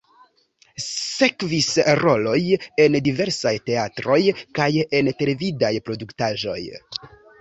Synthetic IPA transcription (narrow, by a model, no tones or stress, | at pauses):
se̞kvisɾo̞lo̞je̞ndive̞ɾsajte̞atɾo̞jkaje̞nte̞le̞vidajpɾo̞duktaʒo̞̰j